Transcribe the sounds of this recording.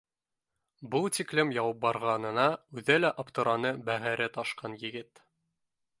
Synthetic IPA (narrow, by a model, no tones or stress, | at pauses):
bɤlˠt̪iklɘmjɑwɑp̚bɑɾʁɑnɤ̆nɑʉðælæʔɑpt̪ɤ̆ɾɑnɤbæhæɾɘt̪ɑʃqɑnjɘ̆ɡɘt̪